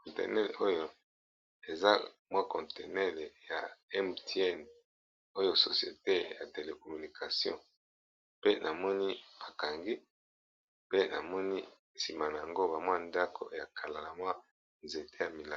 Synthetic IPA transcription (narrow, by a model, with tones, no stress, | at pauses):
kɔ̃˨tɛ̰˨nɛ˦le˨o˦jo˦ | e˨za˦mwa˦kɔ̃˨nte˨nɛ˦le˨ja˨ɛ˦mte˦ɛ˦˨n | o˦jo˦so˨sjḛ˨te˦ja̰˨te˨le˨ko˨my˨ni˨kʰa˨sjɔ̰̃˦˨ | pe˦nʔa˨mɔ˦ni˦ba˨ka˨ŋɡi˦ | pe˦na̰˨mɔ˦ni˦ | si˨ma˨na˨ja˨ŋɡo˦ba˨mwa˦nda˦kʰo̰˨ja˨kʰa˨la˨la˨mwa˦ | nze˨tʰe˦ja˨mi˨la˦˨